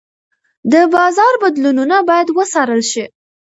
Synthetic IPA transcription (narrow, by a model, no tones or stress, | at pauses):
d̪əbɑzɑɾbad̪lununabɑjad̪wəsɑɾəlʃi